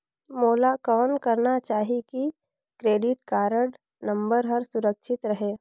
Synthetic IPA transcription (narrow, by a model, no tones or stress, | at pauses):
moːlakɔːnkɐɾnat͡ʃaːɦiki | kɾeːɖɪʈkaːɾəɽ | nə̃mbəɾɦəɾsʊɾəkʃʰɪt̪ɾɐɦeː